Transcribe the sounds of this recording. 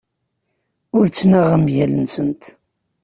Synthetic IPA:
ʊɾt͡sːnæʁəmjælənsənt̪

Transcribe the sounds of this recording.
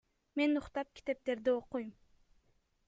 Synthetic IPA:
me̞nʊqt̪ɑp̚kʲʰi̥t̪e̞p̚t̪e̞ɾd̪ioqujm

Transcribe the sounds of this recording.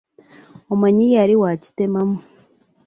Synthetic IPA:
omaɲijaɾiwaci̥temamo

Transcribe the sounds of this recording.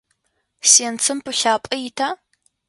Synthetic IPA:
seːnt͡sʰɨmpɨɬaːpʼɐjɪtʰaː

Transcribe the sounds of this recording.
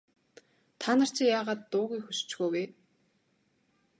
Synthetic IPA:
t̪ʰanə̆r̥t͡ɕʰĭjaːʁaːt̪ːʊːɣʲiːxust͡ɕɡoːweː

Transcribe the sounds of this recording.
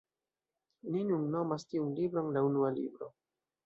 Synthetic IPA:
ninunːo̞mastiunlibɾonlaunualḭbɾo̞

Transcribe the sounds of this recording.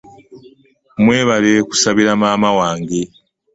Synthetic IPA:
mwe̞ːβaleku̥saβiɾamaːmawaːŋɡe

